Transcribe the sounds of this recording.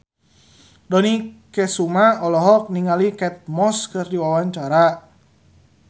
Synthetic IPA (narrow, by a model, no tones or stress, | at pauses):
dɔnikɛsumaɔlɔɦɔk̚niŋalikɛt̪̚mɔskɨrdiwawaɲt͡ʃaɾa